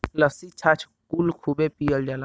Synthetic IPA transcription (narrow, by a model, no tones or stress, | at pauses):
ləsit͡ʃʰat͡ʃʰ | kulkʰubepijəld͡ʒala